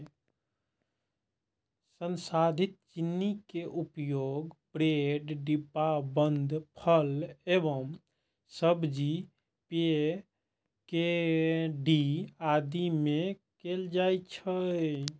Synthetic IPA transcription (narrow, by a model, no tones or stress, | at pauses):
sənsad̪ʱit̪̚t͡ʃinːikeʔupjoɡbɾeɖɖipːabənd̪ʱpʰəlebəm | səbd͡ʒi | pe | ke | ɖiad̪imekeld͡ʒajt͡ʃʰə